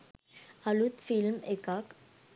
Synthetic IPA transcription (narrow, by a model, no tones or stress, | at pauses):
alut̪filmekak